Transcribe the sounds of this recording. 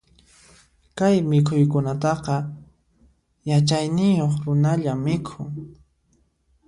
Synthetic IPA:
kajmɪkʰʊjk̬ʊnat̪ɑqɑ | jat͡ʃajnɪjoχɾʊnaʎamːɪkʰʊŋ

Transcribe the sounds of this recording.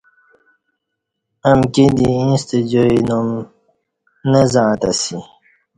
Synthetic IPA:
ɐmkid̪iĩst̪ed͡ʑoinum | nəzãːt̪asi

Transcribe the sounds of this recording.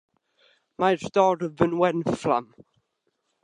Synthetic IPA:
majrd̥ɔɾəvənwɛnfla̰m

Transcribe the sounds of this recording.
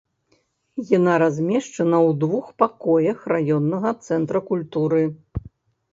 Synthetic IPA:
janaɾazʲmʲɛʂt͡ʂɐnɐwd̪vuxpakɔjɐxrajɔnːɐɣɐt̪sɛnt̪ɾɐkulʲt̪uɾɨ

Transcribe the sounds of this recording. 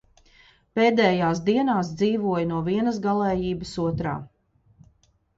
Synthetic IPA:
peːd̪ɛːjaːs̬d̪iɛnaːsd̪ziːvuɔjnuɔviɛnəsɡalˠɛːjiːbəsuɔt̪ɾa̰ː

